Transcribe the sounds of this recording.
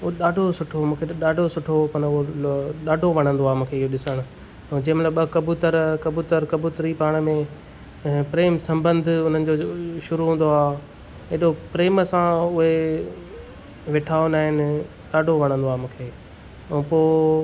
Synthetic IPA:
ʊoɗaːɖʱosʊʈʰomũːkʰeɗaːɖʱosʊʈʰopɐnʊɦoɗaːɖʱoʋɐɽ̃ə̃nd̪oaːmũːkʰeɪɦoɗɪsəɽ̃ʊ̃ | d͡ʑĩːɪmɐt̪ləbɐkɐbut̪əɾkɐbuːt̪əɾkɐbuːt̪ɾipaːɽ̃mẽ | pɾeːmsɐ̃mbə̃nd̪ʱʊʊn̤ənɪ̆d͡ʑoʃʊɾuɦũːn̆d̪oaː | eɗopɾeːmsãʊɦe | ʋeʈʰaːonaːɦɪnɪ | ɗaːɖʱoʋɐɽ̃ə̃nd̪oaːmũːkʰẽː | poː

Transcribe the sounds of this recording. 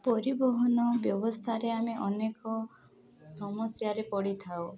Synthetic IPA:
pɔɾibɔɦɔnɔbjɔbɔst̪ʰaɾeameʔɔnekɔ | sɔmɔsjaɾepɔɽit̪ʰaw

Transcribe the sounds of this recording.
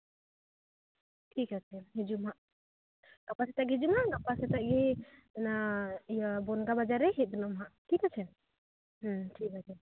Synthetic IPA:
ʈʰikat͡ʃʰɛɦid͡ʒumɦaʔ | ɡ̥apasɛt̪aʔɡid͡ʒumaʔɡapasɛt̪aʔɡɛnaijabɔnɡabad͡ʒaɾɛɦit̪̚d̪ɔnɔmɦaʔtʰikat͡ʃʰɛ | ʈʰik̚at͡ʃʰɛ

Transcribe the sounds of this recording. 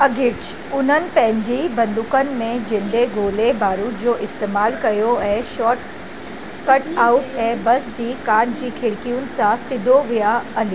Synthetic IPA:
ɐɡʱɪt͡ɕ | ʊn̤ənɪ̆pɐ̃ɦɪ̃ɲd͡ʑiːbɐ̃nd̪ʊkənɪ̆mẽd͡ʑɪ̃nd̪eɡoːlebaːɾuːʈd͡ʑoːʔɪst̪eːmaːlkɐjoɛʃɔːʈ | kɐʈaːʊʈɛːbɐsd͡ʑiːkãːʈd͡ʑiːkʰɪɽkijʊnɪ̆sãsɪd̪ʱoʋijaɐli

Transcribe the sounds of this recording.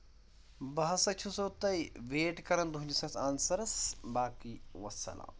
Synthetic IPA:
bɐɦɐsɐt͡ʃʰusoːt̪ɐjʋeːʈkɐɾɐnd̪uɦuɲd͡ʒisɐsʰaːnsɐɾɐsbaːkiːʋɐ̰sɐ̰lʔa̰ː

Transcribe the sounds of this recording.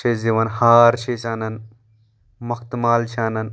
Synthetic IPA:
t͡ʃʰeziʋɐnhaːɾt͡ʃʰesaːnɐn | mɐxt̪maːlt͡ʃʰaːnɐn

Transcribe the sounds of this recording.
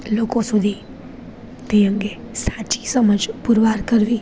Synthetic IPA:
loːkõsʊd̪ʱi | t̪ẽə̃ŋɡe | saːt͡ʃi̥səməd͡ʒpʊɾʋaːɾkəɾʋiː

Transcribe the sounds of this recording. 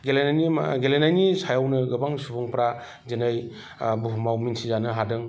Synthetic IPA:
ɡelenaniɡelenajnisajawnɯɡɯbaŋsubuŋpɾa | zenɯj | buɦmawminsʰizanɯɦadɯŋ

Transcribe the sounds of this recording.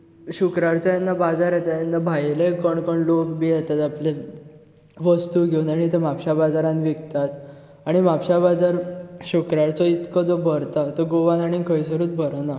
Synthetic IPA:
ɕukɾaɽt͡sɔjanːabad͡zaɾjet̪ajanːabʱajlekəɳkəɳlokbiːjɛt̪at̪aple | ʋəst̪uɡʱeunaɽ̃it̪emapɕabad͡zaɾãnʋikt̪at̪ | aɽ̃imapɕabad͡zaɾɕukɾaɾt͡sɔit̪kɔd͡zɔbʱəɾt̪at̪əɡoʋãnaɽ̃ikəjs̬əɾuːt͡s̪bʱəɾna

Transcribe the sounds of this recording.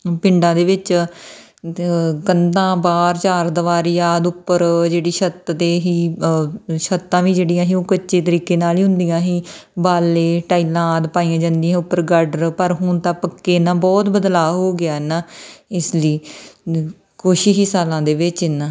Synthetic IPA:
pɪɳɖãːd̪eːʋɪt͡ʃ | ɡənd̪ãːbaːɾt͡ʃaːɾd̪əʋaːɾijaːd̪ʊpːəɾd͡ʒeːɽiːʃət̪d̪eːɦiː | ʃət̪ːãːʋĩːd͡ʒeːɽijãːɦiːõːkət͡ʃeːt̪əɾiːkeːnaːliːɦʊ̃nd̪ijãːɦiːbaːleːʈaːiːlãːd̪paːiːãːd͡ʒãːnd̪ijãːʊpːəɾɡəɖəɾpəɾɦʊnt̪ãːpəkːeːnãːbɔːt̪bəd̪laːɦoːɡɪaːɛnaːɪsliː | koːʃiɦiːsaːlãːd̪eːʋɪt͡ʃnaː

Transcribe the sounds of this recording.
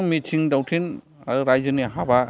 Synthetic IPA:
ŋmitʰiŋdawtʰin | aɾajzɯniɦaba

